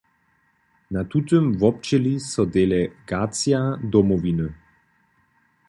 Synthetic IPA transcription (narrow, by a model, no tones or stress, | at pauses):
nat̪ut̪əmvɔp̚t͡ʃɛlisɔd̪ɛlɛɡaːt͡siad̪ɔmɔvinə